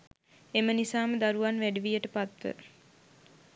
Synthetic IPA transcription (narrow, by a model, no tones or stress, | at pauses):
emənisaːməd̪aɾuʋanʋæɖiʋijəʈəpat̪ʋə̰